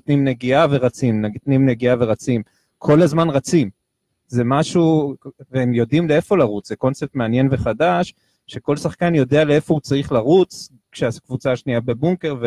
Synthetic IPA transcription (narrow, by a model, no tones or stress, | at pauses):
t̪nimneɡiaveʁat͡simntnimneɡiave̞ʁat͡sim | kʰo̞lazmanʁat͡sim | ze̞maʃuveemjo̞dimlee̞fo̞laʁut͡szeko̞nse̞p̚tmeanje̞nve̞χadaʃ | ʃe̞ko̞lsaχkanjo̞dealeefo̞ut͡saʁiχlaʁut͡s | kʃeakvut͡saːʃniabe̞buŋke̞ʁve